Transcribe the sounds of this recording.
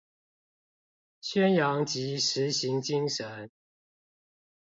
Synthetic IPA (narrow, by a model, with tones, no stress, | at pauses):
ɕɥɛ˥njɑ˧˥ŋt͡ɕi˨˥˦ʂɻ̩˨˦ɕi˨˦ŋt͡ɕi˦ŋʂə˨˦n